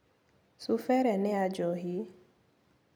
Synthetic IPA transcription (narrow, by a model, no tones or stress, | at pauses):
sufɛɾɛnɪad͡ʒɔɦi